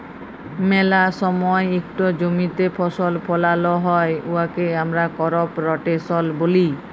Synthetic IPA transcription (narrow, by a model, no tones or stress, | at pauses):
mɛlasɔmɔeekʈɔd͡ʑomit̪epʰɔsɔlpʰɔlalɔɦɔeuakeamɾakɔɾɔpɾɔʈesɔlboli